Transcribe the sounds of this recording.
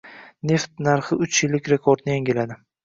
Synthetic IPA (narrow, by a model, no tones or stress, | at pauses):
ne̞ft̪̚naɾχɪʊt͡ʃjɪlːɪkʲɾe̞kʰoɾd̪nɪjaŋʲɪlad̪ɪ